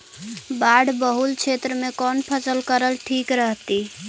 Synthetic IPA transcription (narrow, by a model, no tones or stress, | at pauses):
baɽbəɦult͡ʃʰet̪ɾəmekɔnpʰəsəlkəɾəlʈʰikɾəɦt̪i